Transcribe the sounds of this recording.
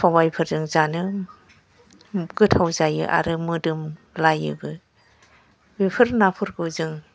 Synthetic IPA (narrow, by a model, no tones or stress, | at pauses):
pʰawajpʰɯɾzɯŋzanɯ | ɡɯtʰawzajɯ̰ʔa̰ɾɯmɯdɯm | lajɯ̰bɯ | bipʰɯɾnapʰɯɾɡɯzɯŋ